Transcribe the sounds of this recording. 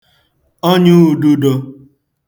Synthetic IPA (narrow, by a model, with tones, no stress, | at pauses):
o˦ɲu˦˨du˦do˧